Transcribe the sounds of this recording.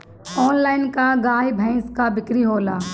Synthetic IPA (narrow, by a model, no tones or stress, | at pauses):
ɔːnlaːɪnkaɡaːjbʱɛ̃ɪskabɪkɾiɦoːlaː